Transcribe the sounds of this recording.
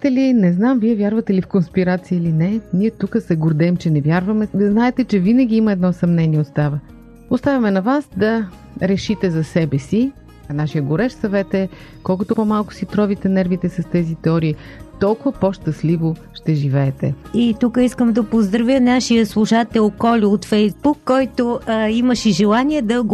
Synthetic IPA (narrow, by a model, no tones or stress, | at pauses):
t̪ɛlinɛznamviɛvʲjaɾvɐt̪ɛlifkonspiɾat̪siəilinɛniɛt̪ukəsɛɡʊɾd̪ɛmt͡ʃɛnɛvʲjaɾvɐmɛznaɛt̪ɛt͡ʃɛvinəɡ̟ʲiimɐɛd̪nɔsɐmnɛniɛot̪st̪avə | ost̪avʲɐmɛnɐvasd̪ɐ | ɾɛʃit̪ɛzɐsɛbɛsi | naʃijəɡʊɾɛʃsɐvɛt̪ɛ | kɔlˠkʊt̪ʊpomalˠkʊ̥sit̪ɾɔvit̪ɛnɛɾvit̪ɛsɐst̪ɛzit̪ɛɔɾiː | t̪ɔlˠkʊvɐpɔʃt̪ɐslivoʃt̪ɛʒivɛːt̪ɛ̰it̪ukəiskəmd̪ɐpozd̪ɾɐvjənaʃijəslˠuʃat̪ɛlˠkɔlʲiot̪fɛjzbukːɔjt̪oiməʃɛʒɛlˠaniɛd̪ɐɡ